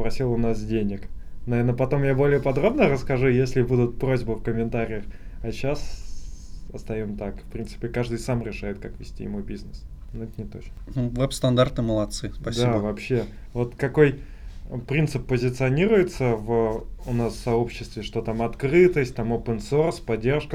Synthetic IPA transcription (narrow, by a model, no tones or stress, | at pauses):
spɾɐsʲilˠʊnasdʲenʲɪk | nɐvernəpɐt̪o̞mjabo̞lʲɪjəpɐd̪ɾo̞bnəɾəskɐʐujesʲlʲɪbud̪ʊt̪̚pɾo̞zʲbəfkəmʲɪnt̪aɾʲɪjəxɐɕas | ɐst̪ɐjomt̪akfpɾʲint̪ɨ̥pʲɪkaʐd̪ɨjsamɾʲɪʂajɪt̪̚kakvʲɪsʲtʲḭjɪ̰mubʲiznəs | noɛt̪ənʲɪt̪ot͡ɕnəvɛpst̪ɐnd̪art̪ɨməlˠɐt̪sɨspɐsd̪aiəvɐpɕːe̞ | vo̞t̪kɐko̞j | pɾʲint̪sɨpːəzʲɪt̪sɨɐnʲiɾʊjɪt̪səvəʊnasːɐo̞pɕːɪst̪vʲɪʂt̪o̞t̪amɐt̪kɾɨt̪əsʲt̚ʲt̪amopənso̞rspɐdʲːe̞rʂkə